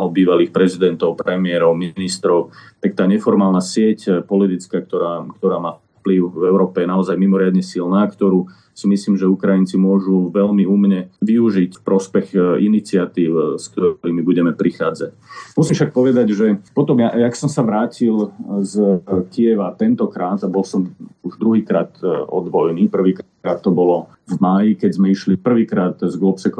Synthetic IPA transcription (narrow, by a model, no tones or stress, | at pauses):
ɔbiːʋaliːxpɾɛzid̪ɛnt̪ɔʊpɾɛmɪɛɾɔʊminist̪ɾɔʊt̪ak̚t̪aːɲɛfɔɾmaːlnasɪɛcpɔlit̪it͡skaːk̚t̪ɔɾaːkt̪ɔɾaːmaːf | pliʊvɛʊɾɔːpɛjɛnaɔzajmimɔɾɪad̪ɲɛsilnaːkt̪ɔɾuː | simisliːmʒɛukɾajint͡simʊɔʒuʋɛlmiumɲɛʋiuʒicfpɾɔspɛɣinit͡sɪat̪iːʊskt̪ɔɾiːmibuɟɛmɛpɾixaːd͡zacmusimʃak̚pɔʋɛd̪aɟʒɛpɔt̪ɔmjaaksɔmsaʋɾaːcilzkijɛʋat̪ɛnt̪ɔkɾaːt̪abɔlsɔmuʒd̪ɾuɦiːkɾaːt̪ɔ̰d̪ʋɔjniːpr̩ʋiːk | ɾaːt̪ːɔbɔlɔ | vmajikɛɟzmɛiʃlipr̩ʋiːkɾaːt̪zɡlɔpsɛk